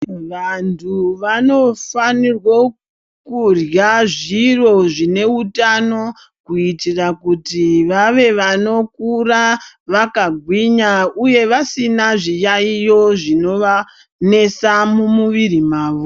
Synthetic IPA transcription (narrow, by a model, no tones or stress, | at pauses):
ʋantʰuʋano̞fanirwo | kurjaʐiro̞ʐine̞utano̞ | kuitirakutiʋaʋe̞ʋano̞kuraʋakaɡʱwiɲauje̞ʋasinaʐijaijo̞ʐino̞ʋa | ne̞samumuʋirimaːʋo